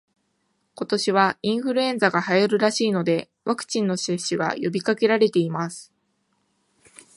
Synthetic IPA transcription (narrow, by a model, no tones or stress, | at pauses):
ko̞t̪o̞ɕiβ̞aĩɰ̃ɸɯ̟ɾɯ̟ẽ̞ñd͡zaɡahajoɾɯ̟ɾaɕiːno̞d̪e̞ | βakɯ̟̥t͡ɕĩnːo̞seɕɨɡa̰jo̞bʲikake̞ɾaɾe̞t̪e̞imasɨ̥